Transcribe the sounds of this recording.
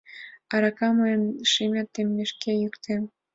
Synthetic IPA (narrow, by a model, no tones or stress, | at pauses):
ɑɾɑkɑmɤjənʃimʲɑt̪ːemːeʃkejykt̪em